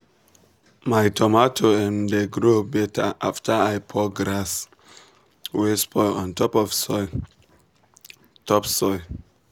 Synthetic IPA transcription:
majtʰɔmatʰoɛ̃ndeɡɹubɛtʰəʔaftʰəajpʰɔɡɾas | wespʰɔɔ̃ntɔpɔvsɔ | tʰɔpsɔ

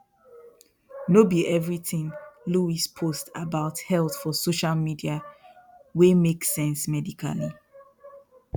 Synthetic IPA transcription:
nobiʔɛvɹiθĩŋluispʰostabaʊthɛlθfɔsoʃalmidia | wemeksɛ̃nsmɛdikʰa̰li

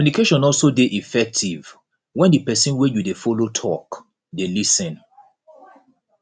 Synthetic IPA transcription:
unikeʃɔ̃nɔlsodeʔifɛk̚tʰiv | wɛ̃ndipɛsĩnwɛjudefolotʰɔk | delisɛ̃n

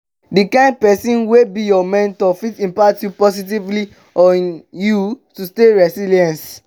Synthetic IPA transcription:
dikãɪ̃nd̚pɛsĩnwebijɔmɛ̃ntɔfitĩmpatjupɔsit̬ivli | ɔ̃njutusteɹɛsiliɛ̃ns

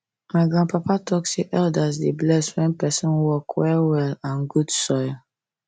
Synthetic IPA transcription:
maɪɡɹãnpapatɔkseʔɛldasdeblɛswɛ̃npɛsɔ̃nwɔkwɛlwɛlãnɡudsɔj

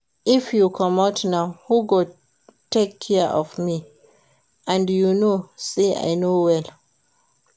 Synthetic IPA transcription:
ifjukʰɔmatnaʊhuɡo | tʰekʰːɛʔɔ̰vmi | ʔãndjunosea̰ɪnowɛl

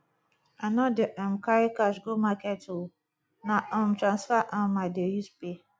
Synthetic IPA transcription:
anɔdeʔɛmkaɾikaʃɡomakɛto | naʔɔ̃mtɾãnsfaʔãmadejuspe

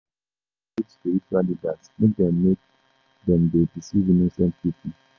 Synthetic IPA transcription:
itsdeitalidatmek̚d̪ɛ̃mːek̚ | dɛ̃mdedisivinosɛ̃ntʰitʰi

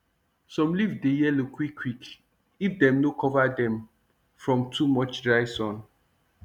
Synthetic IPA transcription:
sɔ̃mlivdejɛlokʰwikʰːwik | ifdɛ̃mnokʰɔvadɛ̃m | fɹɔ̃mtʰumɔt͡ʃdɹaɪsɔ̃n

